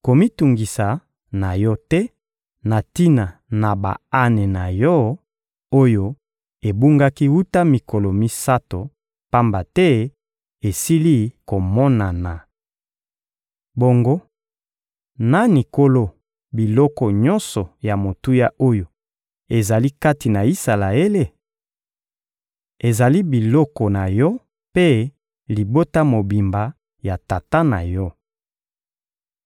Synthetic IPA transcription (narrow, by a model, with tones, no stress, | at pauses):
ko˨mi˦tu˨ŋɡi˨sa˨ | na˨jɔ˦tɛ˦ | na˨ti˦na˨na˨ba̰˨a˦ne˨na˨jɔ˦ | o˦jo˦ | e˨bu˦ŋɡa˦ki˦wu˦ta˦mi˨ko˨lo˨mi˦sa˦to˨ | pa˦mba˨tɛ˦ | e˨si˦li˦ko˨mɔ˦na˨na˨ | bo˦ŋɡo˦ | na˦ni˨ko˦lo˦ | bi˨lɔ˦kɔ˨ɲɔ˦nsɔ˨ja˨mo˨tu˦ja˦ʔo˦jo˨ | e˨za˨li˦ka˦ti˨na˨i˦sa˨la˨e˦le˦ | e˨za˨li˦bi˨lɔ˦kɔ˨na˨jɔ˦ | pe˦ | li˨bo˦ta˦mo˨bi˨mba˨ | ja˨ta˨ta˦na˨jɔ˦